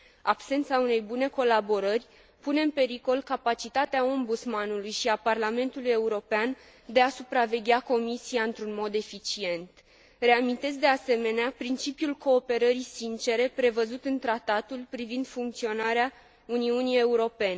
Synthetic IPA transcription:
abse̞nt̪saune̞jbune̞ko̞labo̞ɾərʲ | pune̞ɨnpe̞ɾiko̞lkapat͡ʃit̪at̪eao̞mbut̪smanulujʃiaparlame̞nt̪uluje̞uɾo̞pean | d̪e̞asupɾave̞ɡʲako̞misiaɨnt̪ɾunmo̞d̪e̞fit͡ʃie̞nt̪ | re̞amint̪e̞z̬ʲd̪e̞ase̞me̞neapɾint͡ʃipiulko̞ːpe̞ɾəɾisint͡ʃe̞ɾe̞pɾe̞vəzut̪ɨnt̪ɾat̪at̪ulpɾivind̪fuŋk̚t̪sio̞naɾea | uniunije̞uɾo̞pe̞ne

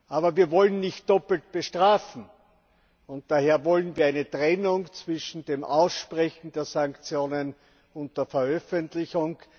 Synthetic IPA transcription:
ʔaːbɐviːɐvɔlənnɪçt̚d̥ɔpl̩t̚b̥əʃtʁ̥aːfn̩ | ʊnt̚d̥aheːɐvɔlənviːɐaɪnətʁɛnʊŋt͡sv̥ɪʃn̩d̥eːmʔa̰ʊsʃpʁɛçn̩deːɐsaŋkt͡sjoːnən | ʊnt̚d̥eɐfɛɐœfəntlɪçʊŋ

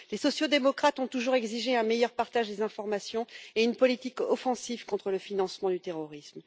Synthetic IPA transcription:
lesɔsjod̪emɔkχat̪ɔ̃t̪uʒuʁɛɡziʒeɛ̃mejœʁpaʁt̪aʒd̪ezɛ̃fɔʁmasjɔ̃eynpɔlit̪ikɔfɑ̃sivkɔ̃t̪χələfinɑ̃smɑ̃d̪yt̪eʁɔʁism

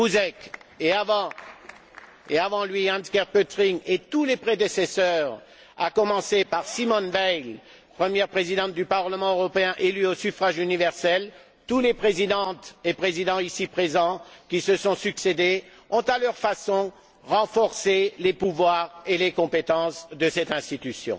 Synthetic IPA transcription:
buzɛkeavɑ̃ | eavɑ̃lɥiɛ̃nskɛʁpøt̪ʁiŋet̪ulepχed̪esesœʁ | a̰kɔmɑ̃sepaʁsimɔnvɛjl | pχəmjɛʁpχezid̪ɑ̃t̪̚d̪ypaʁləmɑ̃øʁɔpeɛ̃ʔelyosyfχaʒynivɛʁsɛl | t̪ulepχezid̪ɑ̃t̪epχezid̪ɑ̃isipχezɑ̃kʲisəsɔ̃syksed̪e | ɔ̃t̪alœʁfasɔ̃ | ʁɑ̃fɔʁselepuvwaʁelekɔ̃pet̪ɑ̃sd̪əsɛt̪ɛ̃st̪it̪ysjɔ̰̃

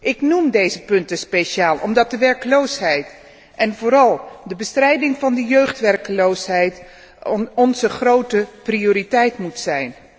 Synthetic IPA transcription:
ʔɪknumdejzəpɵntəspejʃaːlˠʔɔ̰mdɑt̚dəʋɛɹkəlowsɦɛjt | ʔɛnvoːɾɑlˠdəbəstrɛjdɪŋvɑndəjøɥχtʋɛrkəlowsɦɛjt | ɔnzəχrowtəprijoːɾitɛjtmutsɛjn

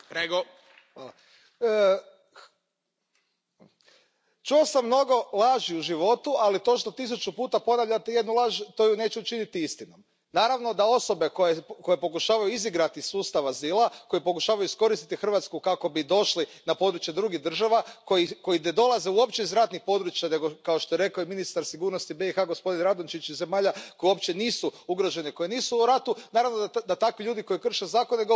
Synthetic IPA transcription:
ɾeɡo | xʋala | t͡ʃuosamːno̞ɡo̞lˠaʒiuʒiʋo̞t̪ualit̪o̞ʃt̪o̞t̪isut͡ʃupuːt̪apo̞naʋʎʲat̪ejed̪nulˠaʒt̪o̞ːjune̞ːt͡ɕɛut͡ʃinit̪iist̪ino̞m | naːɾaʋno̞d̪ao̞so̞be̞kojeko̞jepo̞kuʃaːʋajuiziɡɾat̪isuːst̪aʋaziːlˠakojipo̞kuʃaːʋajuisko̞ɾist̪i̥t̪ixr̩ʋat̪skukako̞bid̪o̞ʃlinapo̞d̪ɾut͡ʃje̞d̪ɾuɡiɣd̪r̩ʒaʋakojiko̞jined̪o̞lˠaze̞uo̞pt͡ɕeizɾat̪nixpo̞d̪ɾut͡ʃjane̞ɡokao̞ʃt̪oeɾe̞kaoiminist̪aɾsiɡuːɾnost̪ibe̞ixaɡo̞spo̞d̪inɾad̪ont͡ʃit͡ʃize̞maːʎako̞jiuopt͡ɕe̞niːsuuɡɾo̞ʒe̞neko̞jeniːsuuɾat̪unaːɾaʋnod̪at̪akʋiʎuːd̪iko̞jikr̩ʃezaːko̞neɡ

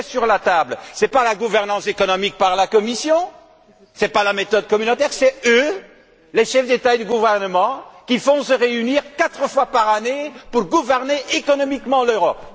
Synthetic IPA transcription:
syʁlat̪ablsɛpalaɡuvɛʁnɑ̃sekɔnɔmik̚paʁlakɔmisjɔ̃ | sɛpalamet̪ɔd̪kɔmynot̪ɛʁsɛø | leʃɛfd̪et̪ad̪yɡuvɛʁnəmɑ̃kʲifɔ̃səʁeyniʁkat̪χəfwapaʁanepuʁɡuvɛʁneʔekɔnɔmikmɑ̃løʁɔp

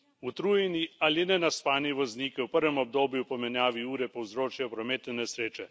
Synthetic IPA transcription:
ut̪ɾuːjɛnialinɛnaspaːniʋɔzniːkɛwpəɾʋɛmɔb̚d̪oːbjupɔmɛnjaːʋiuːɾɛpɔwzɾoːt͡ʃajɔpɾɔmeːt̪ɛnɛsɾeːt͡ʃɛ

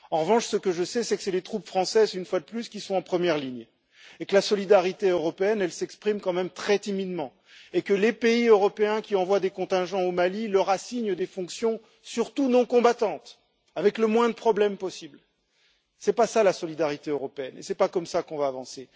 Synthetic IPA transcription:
ɑ̃ʁəvɑ̃ʃsəkəʒəsɛsɛkə̥sɛlet̪χupfχɑ̃sɛzynfwad̪əplyskʲisɔ̃ɑ̃pχəmjɛʁliɲ | ekəlasɔlid̪aʁit̪eøʁɔpeɛnɛlsɛkspχimkɑ̃mɛmt̪χɛt̪imid̪mɑ̃ | ekəlepeiøʁɔpeɛ̃kʲiɑ̃vwad̪ekɔ̃t̪ɛ̃ʒɑ̃omalilœʁasiɲd̪efɔ̃ksjɔ̃ | syʁt̪unɔ̃kɔ̃bat̪ɑ̃t̪ | avɛkləmwɛ̃d̪əpχɔblɛmpɔsibl | sɛpasalasɔlid̪aʁit̪eøʁɔpeɛnḛsɛpakɔmsakɔ̃vaːvɑ̃se

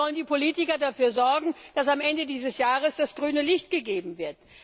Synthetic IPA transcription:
ɔləndiːpʰoliːtɪkɐdafyːɐzɔɐɡŋ̩d̥asamʔɛndədiːzəsjaːʁəsd̥asɡ̥ʁyːnəlɪçt̚ɡ̥əɡeːbm̩vɪɐt̚

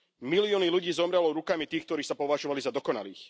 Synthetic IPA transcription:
milɪɔniluɟiːzɔmɾɛlɔɾukamit̪iːxk̚t̪ɔɾiːsapɔʋaʒɔʋalizad̪ɔkɔna̰lḭːx

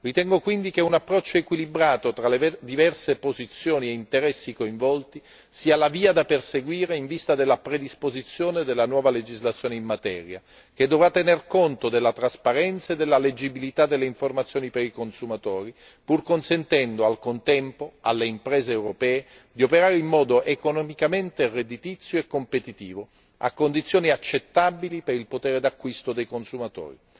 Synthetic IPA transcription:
rit̪ɛŋɡokwind̪ikeunapːɾɔt͡ʃːoekwilibɾaːt̪ot̪ɾaled̪ivɛrsepozit̪sːjoːnieint̪eɾɛsːikoiɱvɔlt̪i | siːalaviːad̪aperseɡwiːɾeiɱvist̪ad̪elːapɾed̪ispozit̪sːjoːned̪elːanwɔːvaled͡ʒizlat̪sjoːneinːat̪ɛ̰ːɾja | k̟ed̪ːovɾat̪ːenerkont̪od̪elːat̪ɾaspaɾɛnt̪saed̪ːelːaled͡ʒibilit̪ad̪ːelːeiɱformat̪sːjoːnipeɾikonsumat̪oːɾi | purkonsent̪ɛnd̪oalkont̪ɛmpoa̰lːeimpɾɛːzeːwɾopɛːe | d̪iopeɾaːɾeimːɔːd̪oʔekonɔmikament̪erːed̪it̪it̪sːjoekːompet̪it̪iːvo | a̰kːond̪it̪sːjoːniat͡ʃːet̪ːabilipeɾilpot̪ɛːɾed̪akːwist̪od̪ejkonsumat̪o̰ːɾḭ

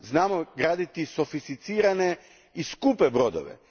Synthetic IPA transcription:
znaːmoɡɾaːd̪it̪isofist̪it̪siːɾane | iskupɛbɾod̪o̰ʋɛ̰

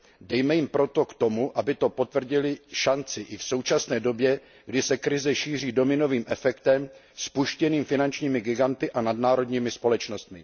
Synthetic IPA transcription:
dɛjmɛjɪmpɾo̞t̪o̞kt̪o̞muʔabɪt̪o̞po̞t̪vr̩ɟɪlɪʃant͡sɪʔɪfso̞wt͡ʃasnɛːdo̞bjɛ | ɡdɪsɛkɾɪzɛʃiːr̝iːdo̞mɪno̞viːmʔɛfɛkt̪ɛm | spuʃcɛniːmfɪnant͡ʃɲiːmɪɡɪɡant̪ɪʔanadnaːɾo̞dɲiːmɪspo̞lɛt͡ʃno̞st̪mɪ

